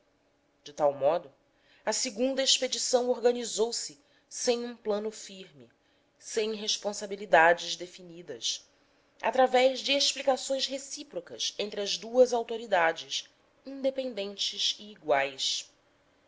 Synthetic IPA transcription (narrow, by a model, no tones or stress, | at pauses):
d͡ʒɪt̪awmɔd̪ʊ | ɐsɪɡũnd̪ɐeʃped͡ʒisɐ̃w̃oɾɡɐnizowsɪ | sẽj̃ũplɐ̃nʊfiɾmɪ | sẽj̃ɦeʃpõsabilid̪ad͡ʒɪzd̪efinid̪ɐs | a̰t̪ɾavɛʒd͡ʒɪeʃplikasõj̃sɦesipɾokɐsẽnt̪ɾɪɐzd̪uɐzawt̪oɾid̪ad͡ʒɪs | ĩnd̪epẽnd̪ẽnt͡ʃɪziːɡwajs